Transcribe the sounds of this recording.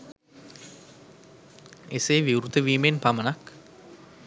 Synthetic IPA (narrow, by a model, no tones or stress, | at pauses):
eseːʋiuɾut̪əʋiːmenpamɐnak